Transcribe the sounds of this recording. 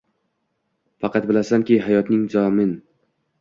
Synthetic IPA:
fɑqʰɑt̪̚bɪlasankʲiɦajɒt̪nɪŋzɒmɪn

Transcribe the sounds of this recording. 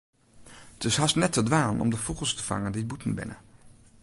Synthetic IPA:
ətɪsɦɑstnɛtədʋaːnənɔ̰mdəvuχəl̩ˠstəv̥ɑ̰ŋəndibutənbɪ̰nə̰

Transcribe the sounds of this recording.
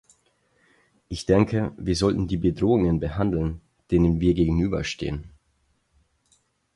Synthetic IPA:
ʔɪçd̥ɛŋkʰəviːɐzɔltn̩diːbədʁoːʊŋənbəhandl̩n | d̥eːnənviːɐɡeːɡŋ̩yːbɐ̰ʃtḛːən

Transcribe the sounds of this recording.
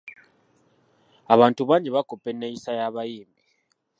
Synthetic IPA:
aβaːntuβaːɲɟeβakopːe̞nːejisajaβajiːmbi

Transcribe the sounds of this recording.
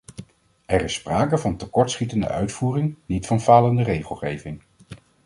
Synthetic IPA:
ɛrɪspraːkəvɑntəkɔɹtsχitəndə̰ʔœ̰ɥtfuːrɪŋnitfɑnvaːləndərejχəlˠχejvɪŋ

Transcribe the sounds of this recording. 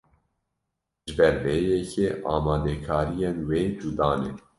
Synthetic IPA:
ʒɨbɛɾveːjɛkʰeʔɑːmɑːd̪ɛkʰɑːɾijenweːd͡ʒud̪ɑːnḛ

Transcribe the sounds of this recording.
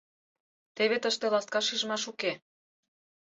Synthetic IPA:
t̪eβet̪əʃt̪elɑst̪kɑʃiʒəmɑʃuke

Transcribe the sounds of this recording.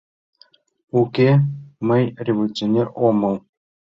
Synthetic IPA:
ukʲemɘ̆jrʲevolʲut͡sʲonʲeromɤ̆lˠ

